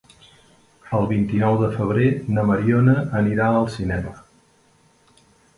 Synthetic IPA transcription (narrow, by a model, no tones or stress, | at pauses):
əlˠβint̪inɔwðəfəβ̞ɾenəməɾionəːniɾaəlˠsinɛmə